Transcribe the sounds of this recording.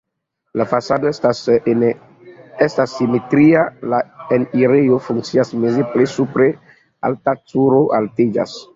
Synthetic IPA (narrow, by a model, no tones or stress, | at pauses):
lafasado | estasːimetɾialaeniɾejo̞fuŋk̚t͡siasmezeplesupɾe | a̰ltat͡suɾo̞ʔaltid͡ʒa̰s